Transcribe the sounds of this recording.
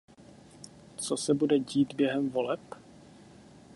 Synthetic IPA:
t͡sosɛbudɛɟiːt̪bjɛɦɛmvolɛp

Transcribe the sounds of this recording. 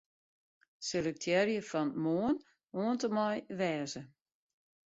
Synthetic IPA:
selək̚tʰjɛɾjəfɔnmoən | oəntəmɔjʋɛːzə

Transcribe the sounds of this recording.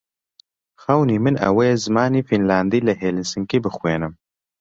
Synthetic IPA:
xɛwniːmɨnɐ̰wejezɨmaːniːfinlaːnd̪iːlɨɦeːlɨnsɨŋkiːbɨxweːnɨm

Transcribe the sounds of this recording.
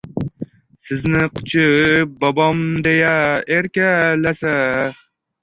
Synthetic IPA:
sɪznɪqʰʊ̥t͡ʃʰɪp̚bɒbɒmd̪ejaeɾkʲalasa

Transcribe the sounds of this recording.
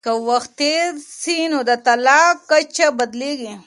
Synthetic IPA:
kəwaxt̪ːeɾsinod̪ət̪alɑkːat͡ʃabad̪leɡi

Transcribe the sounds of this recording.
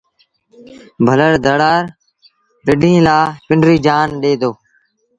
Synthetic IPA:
bʱələɾd̪əɽaːɾ | pɪɖʱĩːlaːpɪɳɖɾiːd͡ʒaːnɗeːd̪oː

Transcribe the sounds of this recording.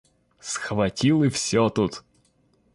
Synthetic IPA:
sxvɐtʲilˠɨfsʲot̪ut̪

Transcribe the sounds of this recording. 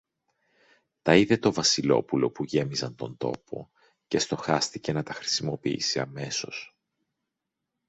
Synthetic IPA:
t̪ɐiðe̞t̪o̞vɐsilo̞̰pulo̞puʝe̞mizɐnt̪o̞nd̪o̞̰pʰo̞̰ | ce̞st̪o̞xɐst̪ice̞nɐt̪ɐxɾi̥simo̞piḭsiɐme̞so̞s

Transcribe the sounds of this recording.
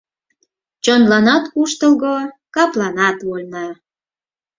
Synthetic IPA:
t͡ɕonlɑnɑt̪kuʃt̪əlɣokɑplɑnɑt̪βolʲnɑ

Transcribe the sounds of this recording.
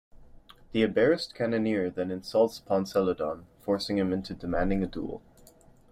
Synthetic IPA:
ðiɨbɛɹɨskʰæ̃nɨnɪɹðɨ̃nɨ̃nsʌlˠtsə̥pʰɑ̃nsɛlˠədɑ̃nfɔɹsɪ̃ŋɨ̃mɪ̃ntʰʉdɨmæ̃ndɪ̃ŋɨdṵlˠ

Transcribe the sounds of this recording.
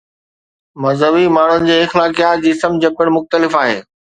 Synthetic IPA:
mɐzɦəʋimaːɳ̤ʊnɪ̆d͡ʑeːɪxlaːkijaːd͡ʑisəmd͡ʑɐpɪɽ̃mʊxt̪əlɪfaːɦḛː

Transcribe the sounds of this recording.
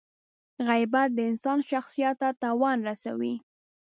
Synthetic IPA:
ɣajbat̪̚d̪əɪnsɑnʃaxsijat̪ːat̪ɑwɑnɾasa̰wḭ

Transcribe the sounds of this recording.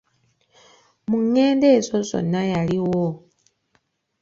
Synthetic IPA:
muŋe̞ːnde̞ːzozo̞̰najaliwo

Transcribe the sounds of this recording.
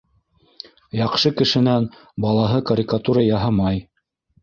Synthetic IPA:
jɑqʃɤkɘ̆ʃɘ̆næn | bɑlˠɑɦɤkɐɾʲikat̪uɾɑjɑɦɑmɑj

